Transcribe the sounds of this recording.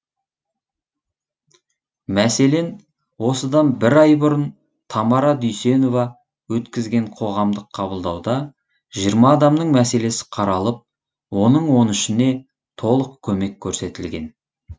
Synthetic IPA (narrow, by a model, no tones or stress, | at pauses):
mæse̞le̞n | wo̞səd̪ɑnbɪɾɑjbʊɾən | t̪ʰɑmɑɾɑd̪ʏjse̞no̞vɑ | wɵt̪kʲɪzɡʲe̞ɴqʰo̞ʁɑmd̪əqʰːɑbəlˠd̪ɑwd̪ɑ | ʒijəɾmɑːd̪ɑmnəɴmæse̞le̞sɪ̥qʰɑɾɑlˠəp̚ | wo̞nəɴwo̞nɪʃɪne̞ | t̪ʰo̞lˠəqkʲʰɵme̞kʲʰːɵɾse̞t̪ɪlɡʲe̞n